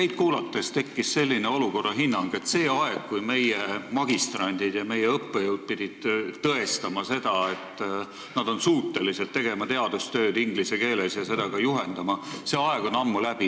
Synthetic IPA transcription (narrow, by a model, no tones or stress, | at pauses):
ne̞jd̪̥̚kuːlɑt̪ːˑest̪e̞kːisse̞lʲːineo̞luko̞rːɑɦinːɑŋɡ̥e̞t̪se̞ːɑeɡ̥̚kujme̞jemɑɡ̥ist̪rɑnʲd̪̥id̪̥jɑme̞jeɤpːejəwd̪̥̚pid̪̥ʲid̪̥t̪ɤe̞st̪ɑmɑse̞d̪̥ɑe̞t̪ː | nɑd̪̥o̞nsuːt̪ˑːe̞liset̪ːe̞ɡ̥e̞mɑt̪e̞ɑd̪̥ust̪ø̞ːd̪iŋɡ̥lise̞ke̞ːlesjɑse̞d̪̥ɑɡ̥ɑjuɦe̞nd̪̥ɑmɑseːɑeɡ̥o̞nɑmːulæb̥i